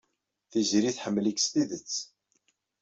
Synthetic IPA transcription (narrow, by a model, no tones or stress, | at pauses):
θizɾiθħəmːlikst̪iðət͡sː